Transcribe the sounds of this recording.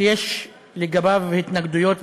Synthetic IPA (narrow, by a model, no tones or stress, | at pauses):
jeʃ | leɡabavhit̪naɡd̪ujo̞t̪